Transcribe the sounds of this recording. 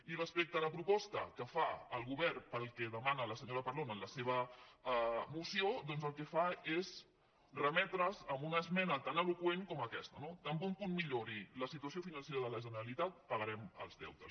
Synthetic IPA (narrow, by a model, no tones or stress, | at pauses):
irəspek̚t̪əələpɾupɔst̪ə̰kəfaəlˠɣuβɛrpəlˠkɛðəmanələsəɲoɾəpəɾlonənləseβ̞ə | musiod̪ɔnzəlˠkɛfaez | rəmɛt̪ɾəzəmbunəzmɛnət̪anəlukweŋkɔməkɛst̪ənod̪əmbɔmpunmiʎoɾiləsit̪uəsiofinənseɾəðələʒənəɾəlit̪at̪̚pəɣəɾɛmə̰lˠzðɛ̰wt̪əs